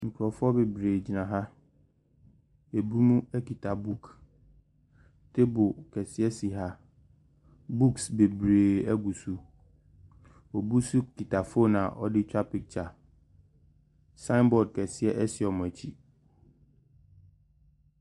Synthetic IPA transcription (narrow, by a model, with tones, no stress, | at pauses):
ŋ̩˨kʰɾɔ˨fʊ˦ɔ˦be˨bɾeː˨d͡ʑi˨nã˨ɦa˦ | e˨bu˦mũ˦æ˦ki˨tʰa˨bu˦k | tʰe˦bʊ˨kʰɛ˨sɪ˦ɛ˦si˨ɦa˦ | bu˦ksbe˨bɾeː˨æ˦ɡu˨su˦ | ɔ˨bu˦su˦kʰi˨tʰa˨fo˦nã˨ʔɔ̰˦dɪ˦tʰᶣa˦pi˨k̚t͡ɕʰa˨ | sã˦nbɔ˨d̚kʰɛ˨sɪ˦ɛ˦ʔɛ˦sɪ˨ɔ˨m̃˨æ˨t͡ɕʰi˦